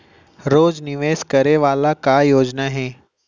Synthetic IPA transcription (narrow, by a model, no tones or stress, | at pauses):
ɾoːd͡ʒnɪʋeːskɐɾeʋaːlakajoːd͡ʒnaɦeː